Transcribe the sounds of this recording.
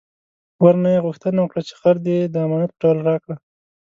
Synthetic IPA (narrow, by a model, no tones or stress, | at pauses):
waɾnajeɣʊxt̪ənawəkɽat͡ʃe̥xaɾd̪ed̪əamɑnat̪̚pəʈɑlaɾɑkɽa